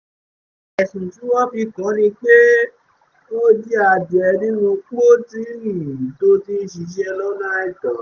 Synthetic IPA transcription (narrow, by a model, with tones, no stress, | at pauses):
ɛ˨sũ˨ʃu˨˦wɔ˦fi˧kã˨˦nĩ˧k͡pe˦ | o˦di˦a˧˨dɛ˨˧nĩ˦nũ˧k͡po˦tĩ˦ɾĩ˨to˦ti˦ʃ̬i˧d͡ʒɛ˧lɔ˦nã˦ɛ˦˨tɔ˨